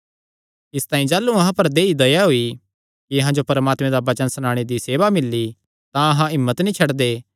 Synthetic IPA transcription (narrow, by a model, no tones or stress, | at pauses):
ɪst̪ãːĩd͡ʒaːlːuɐɦãpɐɾd̪eːid̪ɐjaɦui | kiɐɦãd͡ʒopɐɾəmaːt̪mẽd̪abɐt͡ʃənsnãːɽ̃ed̪iseːʋamɪlːi | t̪ãɐɦãɪmːət̪nĩt͡ʃʰɐɽd̪eː